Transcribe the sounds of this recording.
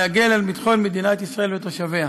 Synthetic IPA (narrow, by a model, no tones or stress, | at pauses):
aɡelalmit̪χo̞nmed̪inat̪isʁae̞ljot̪oʃavea